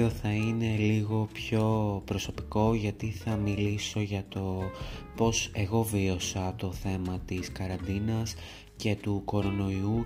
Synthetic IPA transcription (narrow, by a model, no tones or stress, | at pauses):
oθɐine̞liɣo̞pço̞pɾo̞so̞piko̞ʝɐt̪iθɐmiliso̞ʝɐt̪o̞po̞se̞ɣo̞vio̞sɐt̪o̞θe̞mɐt̪iskɐɾɐnd̪inɐs | ce̞t̪uko̞ɾo̞no̞iu